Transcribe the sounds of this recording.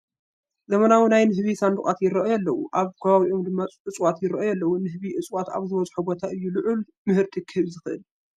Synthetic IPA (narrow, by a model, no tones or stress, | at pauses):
zɐmɐnawunajnɨɦβisand̪uχʼat̪jɪɾɐʔojalːɐwuʔaβkʰɐβaβiʔo̞md̪ɨmːaʔɨt͡sʼwat̪jɪɾɐʔojɛlːɐwunɨɦɨβiʔɨt͡sʼwat̪a̰βzɨβɐzʼħubot̪ʰaʔɨjːulɨʕul | mɨhɨɾt̪ʰikʰɨhɨβzɨxɨʔɨ̰l